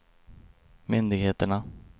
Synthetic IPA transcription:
mʏnd̪ɪɡheːt̪əɳa

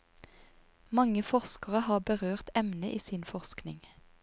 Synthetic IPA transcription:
mɑŋəfɔʁskəʁəhɑːbəʁøːʁt̪ɛmnəʔiːsiːnfɔʁsknɪ̰ŋ

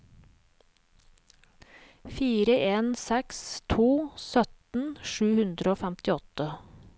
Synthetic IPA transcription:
fiːɾəʔeːnsɛkst̪ʰuːsœt̪n̩ʃʉːhʉnd̪ɾəoːfæmt̪ɪɔt̪ə

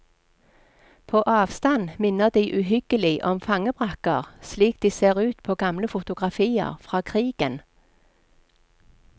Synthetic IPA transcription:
pʰoːʔɑːʋst̪ɑnmɪnəʁd̪iɪʔʉːhʏɡ̥əlɪʔɔmfɑŋəbʁɑkəʁsliːk̚d̪̥iːseːʁʉːt̪pʰoːɡɑmləfʊt̪ʊɡʁɑfiːə̰ʁfʁɑːkʰʁiːɡ̥ən

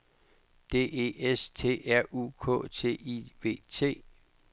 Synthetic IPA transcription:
d̥e̝̰ːe̝est͡sʰe̝̰ːæɐ̰ṵkʰɔ̰̽t͡sʰe̝̰ːiʋe̝̰ːt͡sʰe̝̰ː

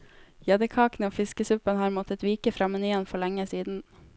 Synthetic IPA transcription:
jɛd̪əkʰɑːknəoːfɪskəsʉpənhɑːɾmɔt̪ʰət̪ʋiːkəfɾɑːmɛnyːənfɔɭɛŋəsiːd̪n̩

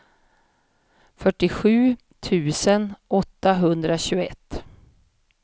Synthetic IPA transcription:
fœʈːɪɧʉ̟ː | t̪ʰʉ̟ːsənɔt̪ːaɦɵnd̪ɾaɕʉːɡɛ̰t̪ː

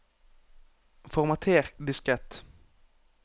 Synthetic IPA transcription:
fɔʁmat̪ʰeːʁd̪ɪskʁɛt̪

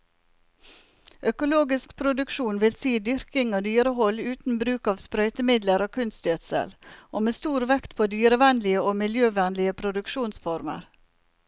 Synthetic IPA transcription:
ʔœkʊloːɡɪskpʰɾʊd̪ʉkʃuːnʋɪlsiːd̪ʏɾkɪŋoːd̪yːɾəɦɔlʉːt̪n̩bɾʉːkɑːʋspɾœʏt̪əmɪd̪ləɾoːkʰʉnst̪jøt̪sə̰lʔoːmeːst̪uːɾʋɛkt̪pʰoːd̪yːɾəʋɛnlɪəoːmɪljøːʋænlɪəpʰɾʊd̪ʉkʃuːnsfɔɾmə̰ɾ

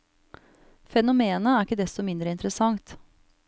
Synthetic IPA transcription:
fɛnʊmeːnəæɾɪkːəd̪ɛst̪ɔmɪnd̪ɾəɪnt̪əɾəsɑŋt̪

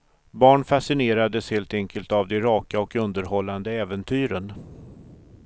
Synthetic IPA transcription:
bɑːɳfasɪneːɾad̪əsheːlt̪ɛŋkʰəlt̪avd̪ɛɾɑːkaɔkɵnd̪əɾɦɔlːand̪əɛːvənt̪ʰyːɾən

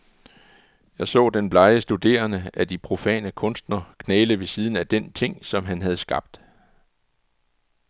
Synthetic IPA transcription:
jɑ̈ɪsɔ̰̽ːd̥enb̥lɑ̈ɪəsd̥ud̥e̝̰ːɐnəæd̥ipʰʁo̝fɛ̰ːnəkʰɔ̽nsd̥nɐkʰnɛːləʋe̝siːð̞ˠn̩æd̥ent͡sʰe̝ŋ̰sɒ̽mɦænɦæð̞̩ˠsɡ̥ɑ̈b̥̚d̥

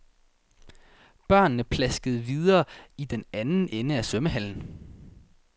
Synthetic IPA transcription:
b̥ɶɐ̰nːəpʰlæsɡ̥əð̞̩ˠʋiðˠɐːid̥enænn̩enəæsœməɦæl̰n̩

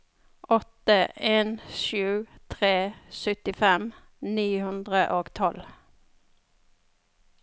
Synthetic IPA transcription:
ʔɔt̪əeːnʃʉːt̪ʰʁeːsœt̪ɪfɛm | niːhʉnd̪ʁəʔoːɡt̪ʰɔl

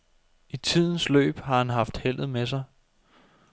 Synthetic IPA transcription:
it͡sʰið̰ˠn̩slø̰ːb̥hɑ̈hænɦɑ̈fd̥hel̰ð̞̩ˠmes̬ɑ̈ɪ

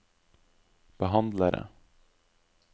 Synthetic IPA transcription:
b̥əɦɑnd̪ləɾʔə̰

